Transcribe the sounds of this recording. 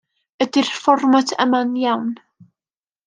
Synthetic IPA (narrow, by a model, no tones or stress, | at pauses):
ədɪrfɔrmatʰə̰manjawn